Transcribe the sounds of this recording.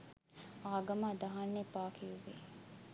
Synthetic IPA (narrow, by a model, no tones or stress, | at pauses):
aːɡɐmad̪ɐɦanːepaːkʰijuʋe